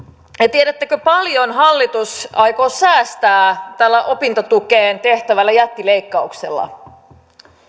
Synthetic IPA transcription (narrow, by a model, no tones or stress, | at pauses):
et̪ieɾæt̪ːækøpɑljo̞nɦɑlːit̪usɑjkoːsæːst̪æːt̪ælːæʔo̞pint̪ot̪ukeːnt̪e̞ht̪æʋælːæjæt̪ːile̞jkːɑuksḛlːɑ̰